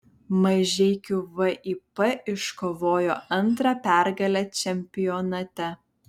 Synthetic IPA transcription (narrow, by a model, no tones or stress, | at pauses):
mɐʒʲɛɪkʲuʋɐʔiːpɛʔɪʃkoːʋoːjoːʔɐnt̪ɾɑpʲæˑɾɡɐlʲɛt͡ʃʲɛmʲpʲɪjɔnɐt̪ʲɛ